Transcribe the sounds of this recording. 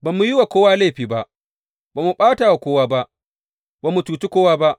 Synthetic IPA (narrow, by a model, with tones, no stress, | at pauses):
ba˨mːu˦ji˦wa˨kʷoː˦waː˦la˦˨ɸiː˨ba˦ʔ | baː˨mu˨ɓaː˦ta˨wa˨kʷoː˦waː˦ba˦ʔ | ba˨mːu˨tuː˨t͡ʃi˦kʷoː˦waː˦ba˦ʔ